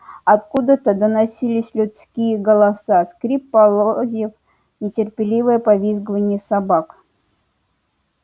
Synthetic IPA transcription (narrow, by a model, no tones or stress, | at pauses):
ɐt̪kud̪ət̪əd̪ənasʲilʲɪsʲlʲʊt̪skʲijəɡəlˠasaskɾʲipːalˠozʲjəf | nʲɪtʲɪrpʲɪlʲivəjəpavʲizɡəvənʲɪjəsabak